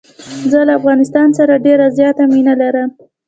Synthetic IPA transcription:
zəlaːfɣɑnɪst̪ɑnsaɾaɖeɾazjɑt̪aminalaɾəm

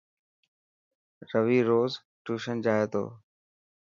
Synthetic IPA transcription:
ɾəʋiːɾoːz | ʈuːʃənd͡ʑaːɦeːt̪o̰ː

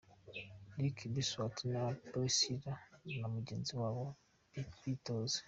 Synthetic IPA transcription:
likʰibiswatʰinabosiɾanamuɟeːnziwawo | ikpitoz

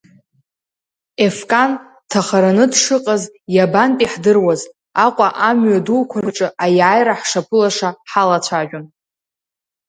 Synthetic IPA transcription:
efkʼan | tʰaχaɾanɨdʂɨqʼazjabanpʼiħdɨrwaz | aqʷʼaʔamɥadulkʷʰarʈ͡ʂʼɨajaaːjɾaħʂapʰɨlaʂaħalat͡ɕʷʰaʒᶣʊn

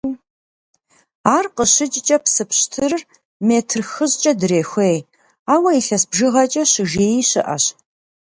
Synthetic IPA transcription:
aːrqəɕɪt͡ʃʼt͡ʃʼɐpsɨpɕtʰɨrr | meːtʰrxɨʑt͡ʃʼɐdɨreːxʷej | aːwɐiɬɐsbʒɨʁɐt͡ʃʼɐɕʒeːjiɕɨ̰ʔɐ̰ɕ

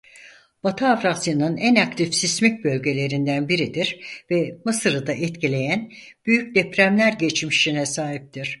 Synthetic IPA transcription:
b̥at̪ʰɯavɾasɯnɯnænak̚t̪ʰifsismɛc̚bø̞lʲɟe̞lʲe̞ɾind̪ænbiɾid̪iɾvɛmɯsɯɾɯd̪aʔɛt̪cilʲe̞jæn | b̥yjyc̚d̪ɛpɾæmlʲæɾɟɛt͡ʃmiʃinɛsaːɦip̚t̪ʰiɾ̝̥

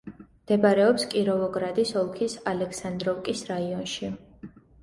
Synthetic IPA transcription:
md̪̥ɛbaɾɛɔpskʼiɾɔvɔɡɾad̪isɔlˠkʰisalɛksand̪ɾɔfkʼisɾaiɔnʃi

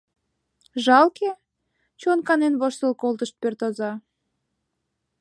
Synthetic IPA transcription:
ʒɑlke | t͡ɕonkɑnenβoʃsə̆lkolt̪əʃt̪̚pørt̪ozɑ

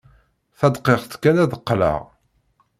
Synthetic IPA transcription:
θæd̪qeʁθkːænæðəqːlə̰ʁ

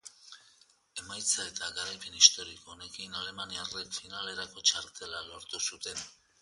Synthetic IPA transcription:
e̞majt͡sae̞t̪aɣaɾajpe̞nist̪o̞ɾikoːne̞kinale̞maniarekfinale̞ɾako̞t͡ʃaɾt̪e̞lalo̞ɾt̪usut̪e̞n

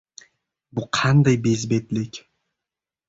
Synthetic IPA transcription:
bʊqʰɑnd̪ajbezbet̪lɪkʲ

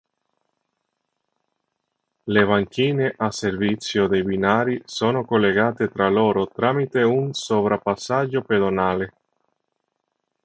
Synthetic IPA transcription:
levaŋkiːneʔaservit̪sjod̪ejbinaːɾisoːnokolːeɡaːt̪et̪ɾaloːɾot̪ɾamit̪eunsovɾapasːad͡ʒːoped̪onaːle

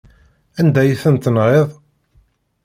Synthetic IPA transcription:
ænd̪æjiθənt̪ənʁeðˤ

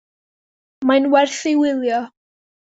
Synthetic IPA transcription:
majnwɛrθɪwɪlˠjɔ

